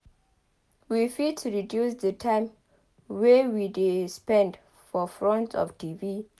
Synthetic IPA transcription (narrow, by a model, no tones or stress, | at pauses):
wifitʰuɹidjusdətʰãɪ̃m | wewidespɛ̃nd | fɔfɹɔ̃ntɔ̰ftʰivi